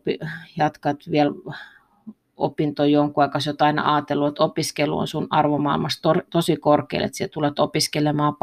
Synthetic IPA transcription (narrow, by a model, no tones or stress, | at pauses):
pijɑt̪kɑt̪ʋiɛl | o̰pint̪ojoŋkuɑˑikɑsot̪ɑinɑ̰ʔɑːt̪elːuet̪opiskelːṵo̰nsunɑrʋomɑˑilmɑst̪ort̪osikorkḛlḛt̪siet̪ulet̪opiskelemɑːp